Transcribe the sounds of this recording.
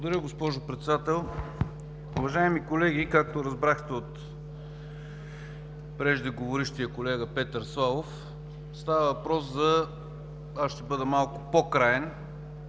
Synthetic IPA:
bˠod̪ɐɾʲəɡospɔʒopɾɛt̪sɛd̪at̪ɛlˠ | uvɐʒaɛmikolɛɡikak̚t̪oɾɐzbɾaxt̪ɛot̪ | pɾɛʒd̪ɛɡovoɾiʃt̪iəkolɛɡəpɛt̪əɾslˠalˠof | st̪avəvɐpɾɔszɐ | aʃt̪ɛbɤd̪əmalˠkʊ̥pokɾajɛn

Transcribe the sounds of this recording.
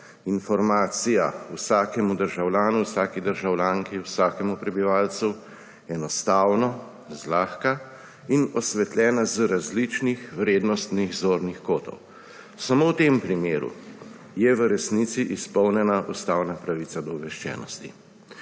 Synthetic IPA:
infɔɾmaːt̪sijausaːkɛmud̪əɾʒawlʲjaːnuwsaːkid̪əɾʒawlʲjaŋkiwsaːkɛmupɾɛbiʋaːlsu | ɛnɔst̪aːwnɔ | zlaːxka | inɔsʋɛt̪lʲɛːnazəɾazlit͡ʃnixʋɾeːd̪nɔst̪niɣzoːɾnixkoːt̪ɔ̰w | samowt̪empɾimeːɾṵ | jɛʋəɾɛsnit̪siʔispɔwnjɛnaʔust̪aːwnapɾaʋit̪sad̪ɔʋɛʃt͡ʃɛ̰ːnɔ̰st̪ḭ

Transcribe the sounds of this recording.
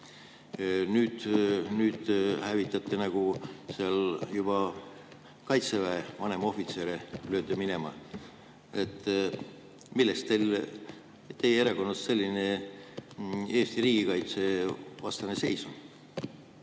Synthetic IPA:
nyːd̪̥nyːd̪̥hævit̪ːˑɑt̪ːˑenɑɡ̥useɑljub̥ɑ | kɑjt̪se̞væevɑne̞mɑo̞fit̪se̞ːɾeløːd̪emine̞mɑ̰ | et̪ːˑ | milːest̪ːel | t̪ːe̞jeeɾɑko̞nːɑsse̞lʲːine̞ | e̞ːst̪iɾiːɡ̥ikɑjt̪se̞vɑst̪ɑne̞se̞jsu

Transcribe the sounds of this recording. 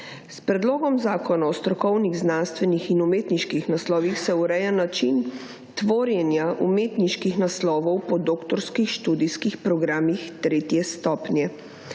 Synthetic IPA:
spɾɛd̪loːɡɔmzaːkɔnaɔst̪ɾɔkɔwniɣznanst̪ʋɛnixinumeːt̪niʃkixnaslɔːʋixsɛuɾɛjanat͡ʃin | t̪ʋoːɾjɛnjaʔumeːt̪niʃkixnaslɔːʋɔwpɔd̪oːkt̪ɔɾskixʃt̪uːd̪iskixpɾɔɡɾaːmixt̪ɾeːt̪jɛst̪ɔːpnjɛ

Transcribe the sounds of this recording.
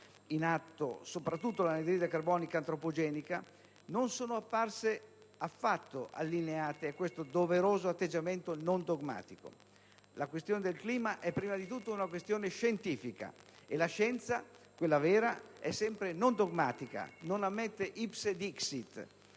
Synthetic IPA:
inat̪ːo̰sopɾat̪ːut̪ːolaned̪ɾiːd̪akarbɔːnikaːnt̪ɾopod͡ʒɛːnika | nonsoːnoapːarse | afːat̪ːoʔa̰lːineaːt̪eakwest̪od̪oveɾoːzoat̪ːed͡ʒːament̪onond̪oɡma̰ːt̪iko̰ | lakwest̪joːned̪elkliːmaʔɛpːɾiːmad̪it̪ut̪ːounakwest̪joːneʃent̪iːfika̰elaʃɛnt̪sakwelːavɛːɾaɛsːɛmpɾenond̪oɡmaːt̪ika̰nonamːet̪ːeʔipsed̪iksit̪ː

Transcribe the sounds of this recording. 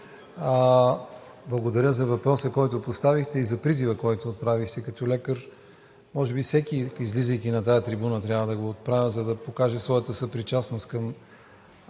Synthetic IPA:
blˠɐɡod̪ɐɾʲjəzɐvɐpɾɔsəkɔjt̪opost̪avixt̪ɛizɐpɾizivəkɔjt̪oːt̪̚pɾavixt̪ɛkɐt̪ɔlɛkəɾ | mɔʒɛbifsɛk̟iizlizəjk̟inɐt̪ajət̪ɾibunət̪ɾʲavəd̪ɐɡoːt̪̚pɾavʲəzɐd̪ɐpokaʒɛsvɔjət̪əsəpɾit͡ʃasnost̪kɐm

